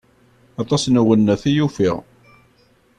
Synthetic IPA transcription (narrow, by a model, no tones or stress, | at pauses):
ɑt̪ˤɑsnuwənːæθijufiʁ